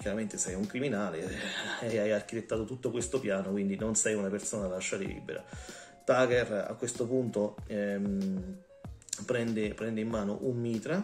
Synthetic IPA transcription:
kjaɾament̪esɛjuŋkɾiminaːle | ajark̟it̪et̪ːaːt̪ot̪ut̪ːokwest̪opjaːnokwind̪inonsɛjunapersoːnalaʃːaɾḭlḭːbḛɾa̰ | t̪aːkera̰kːwest̪opunt̪oɛ | pɾɛnd̪epɾɛnd̪eimːaːno̰ʔummiːt̪ɾa

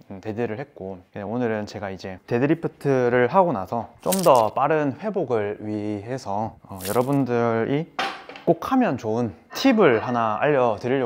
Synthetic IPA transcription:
ɯte̞deɾɯɭhe̞t̚k͈oeonɯɾɯnt͡ɕe̞ɡaid͡ʑe̞te̞dɯɾipʰɯtʰɯɾɯɭɦaɡonasʰʌt͡ɕ͈omdʌp͈aɾɯnɸwe̞boɡɯɭɥiɦe̞sʰʌːjʌɾʌbundɯɾʔik͈ok̚ʰhamjʌnt͡ɕoɯn | tʰibɯɭhanaa̰ʎːʌtɯʎː

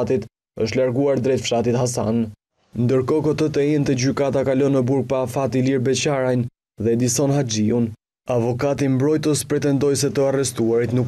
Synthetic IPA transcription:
t̪it̪ | əʃt̪laɾɡuaɾd̪ɾɛt̪fʃat̪it̪ɦasa̰n | nd̪əɾkɔkɔt̪ət̪ɛɛnt̪ɛd͡ʑykat̪akalɔnəbuɾɡ̚paːfat̪iliɾbɛt͡ɕaɾajn | ðɛd̪isɔnhad͡ʒiun | avɔkat̪imbɾɔjt̪əspɾɛt̪ɛnd̪ɔjsɛt̪əarɛst̪uaɾit̪nuk

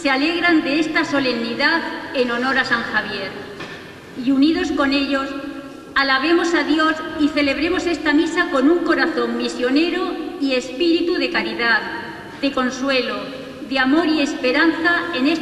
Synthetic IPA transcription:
seale̞ɣɾand̪e̞est̪aso̞le̞mniðaðe̞no̞no̞ɾasaŋxaβ̞je̞ɾ | iunið̞o̞sko̞ne̞ʎo̞s | alaβ̞e̞mo̞saðjosiθe̞le̞β̞ɾe̞mo̞se̞st̪amisako̞nuŋko̞ɾaθo̞ŋmisjo̞ne̞ɾoie̞spiɾit̪uðe̞kaɾiðað | d̪e̞ko̞nswe̞lo | ðeamo̞ɾie̞spe̞ɾanθae̞ne

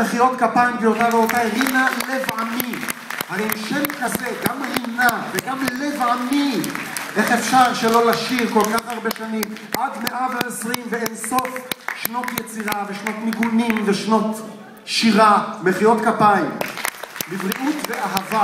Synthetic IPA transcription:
meχiʁo̞t̪kapaimɡejot̪aveotajʁinale̞vamihaʁeʃemkazeɡamʁinaveɡamlevamiʔe̞χefʃaʁʃelo̞laʃiʁko̞lkaχaʁbeʃanim | ʔadmeʔaveesʁimveenso̞fʃno̞t̪jet͡siʁave̞ʃno̞t̪niɡunimveʃno̞t | ʃiʁameχiʁo̞t̪kapaim | bivʁiʔutve̞ʔaɦava

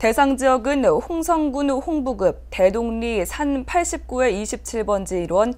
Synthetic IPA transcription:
te̞sʰaŋd͡ʑijʌɡɯnɸoŋsʰʌŋɡunɸoŋbuɡɯp̚te̞doŋɲisʰanpʰaɭɕ͈ip̚k͈ue̞iɕʰip̚t͡ɕʰiɭbʌnd͡ʑiiɾwʌn

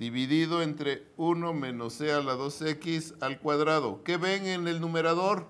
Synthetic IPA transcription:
d̪iβiðiðoent̪ɾe | unomẽnosealaðosekisalkwaðɾaðokeβeŋenelnumeɾaðoɾ

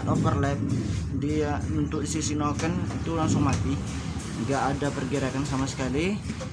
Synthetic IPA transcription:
t̪ofərlɛp̚diaunt̪ʊsisinokənit̪ulaŋsʊŋmat̪ih | ŋɡaʔːdapərɡiɾakansamasə̥kali

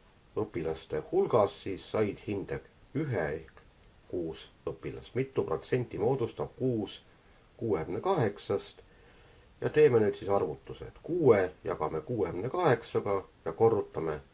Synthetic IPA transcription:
ɤpːˑilɑst̪e̞hulɡ̥ɑsːiːsːɑjd̪̥hind̪̥eɡ̥ | yɦek | kuːsɤpːˑilɑ̰smit̪ːˑupro̞t̪se̞nʲt̪ʲimo̞ːd̪̥ust̪ɑb̥̚kuːs | kuːemne̞kɑɦe̞ksɑst̪ | jɑt̪e̞ːme̞nyːdt̪sisɑrvut̪ːˑusḛt̪kuːejɑɡ̥ɑme̞kuːemne̞kɑɦe̞ksɑɡ̥ɑjɑko̞rːut̪ˑːɑme̞

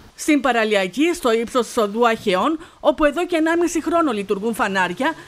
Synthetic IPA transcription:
st̪impɐɾɐliɐcist̪o̞ipso̞si̥so̞ðuɐçe̞o̞no̞pue̞ðo̞ceeːnɐmisixɾo̞no̞lit̪uɾɣunfɐnɐɾʝɐ

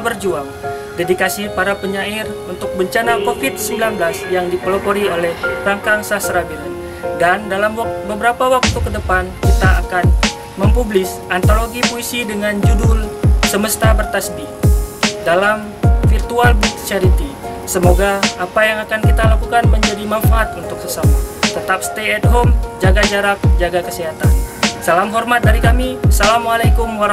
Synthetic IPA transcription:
bərd͡ʒuaŋ | dedikasipaɾapəɲairunt̪ʊk̚bəɲt͡ʃanakofɪt̪̚səmbilanblasjaŋdipəlopoɾiolɛhraŋkaŋsasɾabiɾan | dandalamwak̚bəbəɾapawak̚t̪ukədəpankit̪aakan | məmpublɪs | ant̪oloɡipuisidəŋand͡ʒudʊlsəməst̪abərt̪asbi | dalam | firt̪ualbut̪t͡ʃaɾit̪i | səmoɡaːpajaŋakankit̪alakukanməɲd͡ʒadimanfaat̪unt̪ʊksəsamat̪ət̪ap̚st̪eɛd̚ɦomd͡ʒaɡad͡ʒaɾak̚d͡ʒaɡakəsiɦat̪ansalamɦɔrmat̪̚daɾikamisalamwalajkumwaɾ

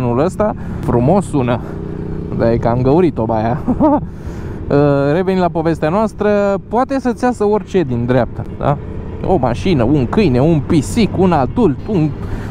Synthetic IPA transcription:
nuləst̪a | fɾumo̞sunə | ubeaikamɡəuɾit̪o̞baja | əre̞venilapo̞ve̞st̪eanoast̪ɾəpoat̪e̞sət̪sʲjasəo̞rʲt͡ʃe̞d̪ind̪ɾeap̚t̪əd̪a̰ | o̞̰maʃinəuŋkɨjne̞unpisikunad̪ult̪un

